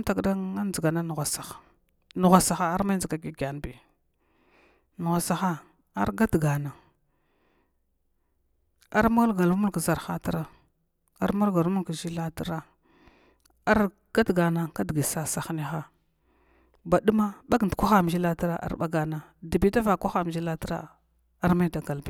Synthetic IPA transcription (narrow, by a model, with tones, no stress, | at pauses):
m˦ta˨kda˦ŋa˦nd͡zi˨ɡa˨na˦nu˨ɣa˨sa˨xḁ˨ | nu˨ɣa˨sa˨xa˦a˦ɾma˦d͡zə˨ɡa˨ɡi˨ɡa˨n˨bi˨ | nu˨ɣʷa˨sa˨xa˦ | a˦ɾɡa˦dɡa˨na˨ | a̰˦ɾmu˦lɡa˨lu˦mu˦lka˨za˨ɾxa˦ta˦ɾa˨ | a˦ɾmu˦lɡa˨lmu˦ka˨ʒi˦la˦ta˦ɾa˦ | a˦ɾ | ɡ̥a˦tɡa˨na˨ka˦dɡi˨sa˦sa˨xni˦xa˦ | ba˨ɗu˦ma˦ɓa˦ɡn˨kʷa˦xa˦m˨ʒi˦la˦ta˦ɾa˦ʔa̰˨˦ɾɓa˦ɡa˨na˨di˨bi˦da˦va˨kʷa˦xa˦m˨d͡ʒi˦la˦ti˦ɾa̰˦ | a˦ɾma˦da˨ɡa˨lbi˨